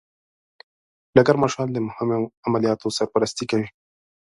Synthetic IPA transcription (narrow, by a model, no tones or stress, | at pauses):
ɖaɡaɾmɑʃɑnd̪əmʊhɪmoamalijɑt̪osaɾpaɾast̪ikawi